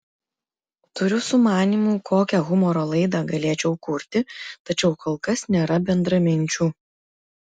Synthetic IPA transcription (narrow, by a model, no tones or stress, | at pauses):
t̪ʊɾʲʊsʊmɑːnʲiːmuːkʰoːkʲɛɣʊmɔɾoːlˠɐɪd̪ɑɡɐlʲeːt͡ʃʲɛʊkʊɾʲt̪ʲɪt̪ɐt͡ʃʲɛʊkoːlˠˑkɐsnʲeːɾɐbʲɛnd̪ɾɐmʲɪnʲt͡ʃʲuː